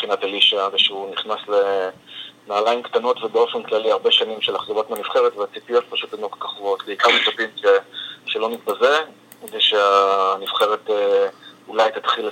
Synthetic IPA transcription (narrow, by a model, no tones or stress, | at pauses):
χinataliʃaveʃeuniχnasle̞ | naːlajimkt̪ano̞tvebeo̞fenklaliaʁbe̞ʃanimʃelaχzoʁot̪meanifχeʁetveat͡sipijo̞t̪̚paʃutenokkaχvot̪beikaʁmet͡sapimʃeʃelo̞nit̪̚baze | kedeʃeanifχeʁeteulajt̪at̪χil